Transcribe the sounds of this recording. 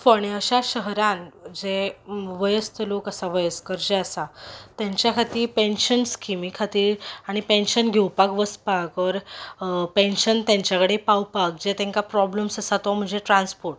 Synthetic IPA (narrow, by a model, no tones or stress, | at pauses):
fəɽ̃iəɕaɕəɦɾãnd͡ʑeʋəjəst̪ʰəlokəsaʋəjəskəɾd͡ʑeəsat̪jãɲt͡ɕjakʰat̪iːɾpenɕənskimikʰat̪iːɾaɽ̃ipẽnɕənɡʱewpakʋəspakɔɾ | pẽnɕənt̪ãɲt͡ɕjakəɽepawpak̚d͡ʑet̪ẽŋkapɾɔbləmsəsat̪ɔm̤əɳd͡ʑeʈɾãnspoɾʈ